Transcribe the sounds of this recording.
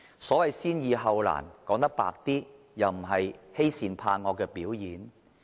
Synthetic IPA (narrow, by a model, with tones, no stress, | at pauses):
sɔː˨˥wɐ˨jsiː˥njiː˨˧ɦɐ˨˧wla̰ː˨˩nkɔː˨˥ŋt̪ɐ˥k̚pa̰ː˨k̚t̪iː˥ | jɐ˨wm̩˨˩ɦɐ˨jhe˥jsiː˨˧npʰaː˧nŋɔː˨˧kɛː˧piː˨˥wjiː˨˥n